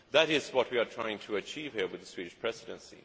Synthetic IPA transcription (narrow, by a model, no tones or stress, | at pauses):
ðæɾɪzwʌt̚wiətʰɹ̥aɪɪ̃ŋtʰəət͡ʃʰiːv̥hiɹwɨðəswiɾɨʃpʰɹ̥ɛsɪdə̃nsḭ